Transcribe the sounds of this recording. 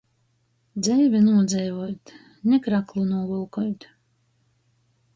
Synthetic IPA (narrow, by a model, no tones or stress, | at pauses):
d̪zɛjvʲinuɔd̪zɛjvɔjt̪ | nʲɛkɾaklˠunuɔvulˠkɔjt̪